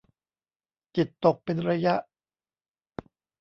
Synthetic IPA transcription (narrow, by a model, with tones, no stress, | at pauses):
t͡ɕi˨˩t̪ːo˨˩k̚pe˧nɾa˧ja˦˥ʔ